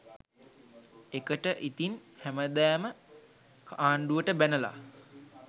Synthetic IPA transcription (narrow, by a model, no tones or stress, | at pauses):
ekəʈəʔit̪inhæməd̪æːmə | kʰaːɳɖuəʈəbænəla̰